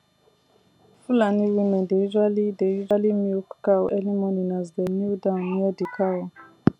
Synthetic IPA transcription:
fulaniwimɛ̃ndeizalidejizalimukkawʔɛlimɔninazdɛmudãnjɛdikʰaw

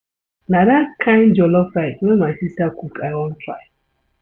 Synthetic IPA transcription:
nadakʰãjn̩d͡ʒɔlɔfajnomasistakukaɪɔn̩tɾa̰j

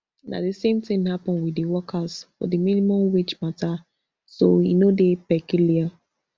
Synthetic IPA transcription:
nʔa̰disẽmtɪ̃ŋhapɔ̃nwidiwɔkʰazfɔ̰diminimɔ̃mwet͡ʃmata | soḭnodepɛkjulia

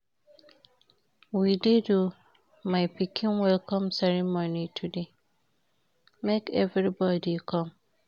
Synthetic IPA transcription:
widedu | maɪpikʰĩnwɛlkɔ̃msɛɹimɔnitʰude | mekɛvɾibɔdikʰɔ̃m

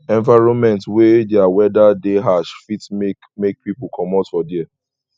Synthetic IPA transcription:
ɛ̃ɱvaɪɹɔ̃nmɛ̃ntwedɛawɛdadeɦaʃfitek | mek̚pipukʰɔmɔtfɔdiɛ

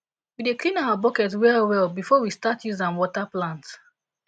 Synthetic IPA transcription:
wideklĩnaʊwabɔkɛtwɛlwɛlbifɔwistatjuzãnwɔtaplãnt

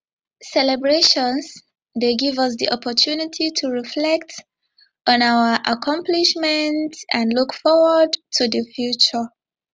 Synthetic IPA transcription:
sɛlɛbɹeʃɔ̃ns | ðeɡɪvʌs̬ðiʔɔpʰɔtʰunitʰitʰuɹiflɛk̚t | ʔɔ̃nawə˞ʔakʰɔ̃mpliʃmɛ̃ntæ̃nlukfɔwədtʰuðəfjut͡ʃə

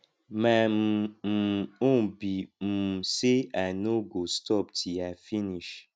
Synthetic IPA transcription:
mãmm̩on̩bim̩seanoɡostʰɔptʰiafiniʃ

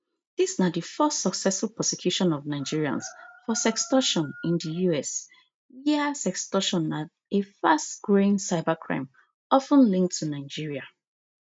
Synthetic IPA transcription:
d̥isnadəfɜstsɔksɛsfulˠpʰɹɔsɛkʰj̥uʃɔ̃nɔvnaɪd͡ʒiɹiã̰nsfɔsɛkstɔʃɔ̃nɪ̃ndəjuɛs | jɛsɛkstɔʃɔ̃nːa | efastɡ̥ɹoɪ̃nsaɪbakʰɹã̰ɪ̃m | ɔfə̃nlĩŋk̚tʰunaɪd͡ʒiɹia

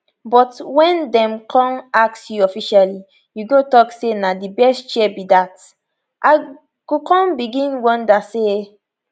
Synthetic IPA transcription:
bɔtwɛ̃ndɛ̃mkʰɔ̃mak̚sjuɔfiʃali | juɡotɔksenadibɛstt͡ʃɛbidat | ʔaɪ | ɡ̥ukɔ̃mbiɡĩnwɔ̃ndase

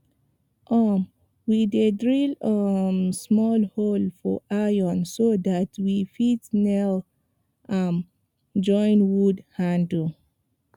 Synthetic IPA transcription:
ʔɔm | widedɹiləmsmɔlholfɔʔajɔ̃nsodatʰwifitnɛl | ʔam | d͡ʒɔ̃ɪ̃nwudhãndə

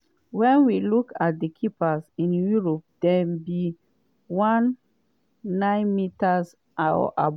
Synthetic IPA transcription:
wɛ̃nwilukat̚dəkʰipasĩnjuɹɔp̚d̥ɛbi | wãnː | ãɪ̃nmitas | ʔaɔ̰ʔa̰b

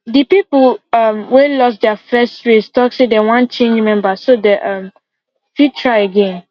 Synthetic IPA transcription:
dipipəʌmwelɔs̬dɛafɛsɹestɔksedɛwãnt͡ʃẽnd͡ʒmɛ̃mbasodɛʔʌ̃m | fitʰɹaɪəɡẽn

